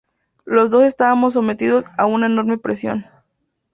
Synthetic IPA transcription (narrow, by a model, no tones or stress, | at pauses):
lo̞zðo̞se̞st̪aβamo̞s̬ːo̞me̞t̪ið̞o̞saunaeno̞ɾmepɾesjo̞̰n